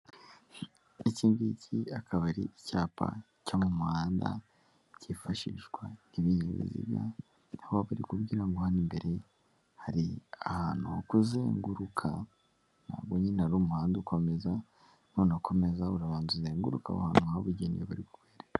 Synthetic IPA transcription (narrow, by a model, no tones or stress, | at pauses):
eciːŋɡicʰiakʰaβaɾḭicaːpʰa̰ | comumuaːnda̰ | cifaʃḭʃɡwaiβiɲeβḭzḭbja̰ | naβoaβaɾikubɟiːɾaŋɡohaɾimbe̞ɾe̞ | haɾiahaːn̥huokuzeːŋɡuɾukʰa | n̥a̰ːbɡoɲinaɾuːmuhaːndiuko̞me̞za | nonakʰo̞me̞zauɾaβaːnzuzeːŋɡuɾuka̰βa̰haːnhuaaβuɟenḭjeβaɾikuβeːɾa